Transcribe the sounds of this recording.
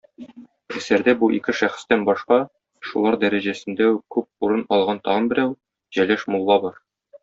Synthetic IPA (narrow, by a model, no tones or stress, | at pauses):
æsæɾd̪æbuʔikɘʃæχɘ̥̆st̪ænbɒʃqɑ | ʃulˠɑɾd̪æɾæʑæsɘ̆nd̪æʉkʉp̚uɾɤnɒlˠʁɑnt̪ɒʁɤnbɘ̆ɾæw | ʑ̥ælæʃmulˠːɑbɒɾ